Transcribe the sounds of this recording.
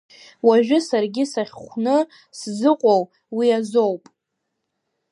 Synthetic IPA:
waʒᶣʊsarɡʲɪsaχʲχʷnɨ | szɨqʷʼow | wiazowpʼ

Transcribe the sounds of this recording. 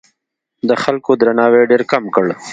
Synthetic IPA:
d̪əxalkod̪ɾanɑːweɖeɾkamkəɽ

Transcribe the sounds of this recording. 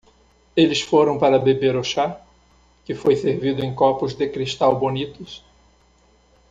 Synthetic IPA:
elɪsfoɾɐ̃w̃paɾɐbebeɾʊʃa | kɪfojseɾvid̪ʊẽj̃kɔpʊzd̪ɪkɾiʃt̪awbonit̪ʊs

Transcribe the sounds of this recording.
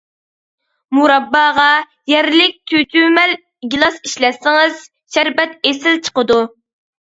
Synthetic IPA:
muɾɑbːɑːʁɑ | jɛɾlɪk̚ʲt̪ʰyt̪ʰymɛl | ɡʲilˠɑsiʃlɛsɪŋɨz̥ | ʃæɾbɛt̪esɪlt͡ʃʰə̥qəd̪u

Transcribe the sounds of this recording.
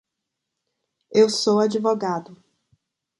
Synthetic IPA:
ewsowad͡ʒivoɡad̪ʊ

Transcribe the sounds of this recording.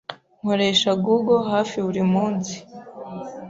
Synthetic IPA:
ŋoɾeʃaɡuɡoɦaːfiuɾimuːnzi̥

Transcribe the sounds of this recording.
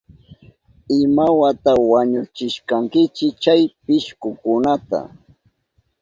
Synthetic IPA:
ɪmawat̪awaɲʊt͡ʃɪʃkaŋkɪt͡ʃɪkt͡ʃajpɪʃkʊkʊnat̪a̰

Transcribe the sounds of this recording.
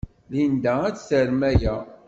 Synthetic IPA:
lind̪ææt͡sːθəɾmæjæ

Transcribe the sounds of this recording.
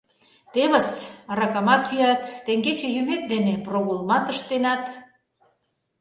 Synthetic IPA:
t̪eβəsɑɾɑkɑmɑt̪yɑt̪ːeŋɡet͡ɕejymet̪̚d̪eneproɣolmɑt̪əʃt̪enɑt̪

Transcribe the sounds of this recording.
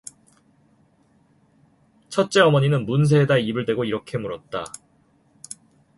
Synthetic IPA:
t͡ɕʰʌt̚t͡ɕ͈e̞ʌmʌɲinɯnmuns̬ʰe̞ːdaibɯɭdwe̞ɡoiɾʌkʰe̞muɾʌt̚t͈a

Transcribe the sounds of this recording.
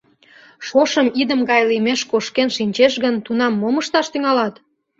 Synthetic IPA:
ʃoʃəmid̪əmɡɑjlimeʃkoʃkenʃinʲt͡ɕeʃɣənt̪unɑmːoməʃt̪ɑʃt̪yŋɑlɑt̪

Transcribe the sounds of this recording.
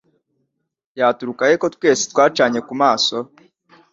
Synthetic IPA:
jaːtuɾukajeko̞tkwe̞ːsi̥twaːt͡ʃaɲe̞kumaːso̞

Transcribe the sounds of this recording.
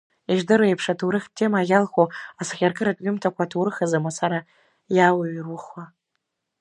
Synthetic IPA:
iʒdɨɾoepʰʂatʰuɾɨχʲtʰːe̞maɣʲalχoasχʲarkʼɨɾatʼɥʲɪmtʰakʷatʰurɨχazamasaɾa | jawaɥiruχwa

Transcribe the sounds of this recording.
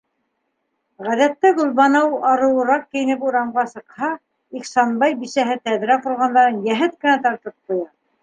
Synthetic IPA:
ʁæðæt̪ːæɡɵ̆lˠβɑnɤwɑɾɤ̆wɤ̆ɾɑq̚kɘ̆jɘ̆nɘp̬uɾɑɴɢɑsɤ̆qhɑ | iχsɑnbɑjbiʃæɦɘt̪æðɾæqŏɾʁɑnd̪ɑɾɤnjæɦɘt̪̚kɘ̆næt̪ɑɾt̪ɤp̚qujɑ

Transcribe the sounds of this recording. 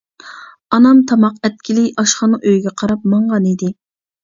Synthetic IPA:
ɑnɑmt̪ʰɑmɑqɛt̪̚kʲʰilɪʔɑʃχɑnɨʔøjɡʲɛqʰɑɾɑpmɑɴʁɑnid̪ɪ

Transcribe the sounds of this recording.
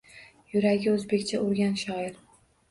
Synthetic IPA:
jʊɾaɡʲɪɵzbe̞kʲt͡ʃʰaʔʊɾɡʲanʃɒɪɾ

